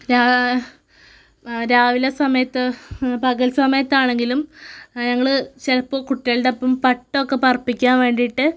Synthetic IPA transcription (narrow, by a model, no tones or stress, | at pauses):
ɾaː | ɾaːʋilɐsɐmɐjɐt̪ːɨpɐɣɐlsɐmɐjɐt̪ːaːɳe̞ŋɡilumɲɐŋːɐɭɨt͡ɕelɐpːo̞ːkuʈːiɐlɽepːɐmpɐʈːokːe̞pɐrpːikʲːaːnʋe̞ːɳɖiʈːɨ